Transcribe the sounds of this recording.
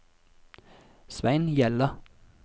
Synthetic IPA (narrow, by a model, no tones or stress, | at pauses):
sʋæɪnjɛlə